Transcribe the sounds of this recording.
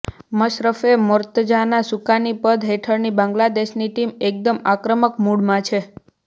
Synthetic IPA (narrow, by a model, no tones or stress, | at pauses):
məʃɾəfemoɾt̪d͡ʒanasukanipəd̪ɦeʈʰəɾnibãŋɡlad̪eʃniʈimek̚d̪əmakɾəməkmuɽmãt͡ʃʰe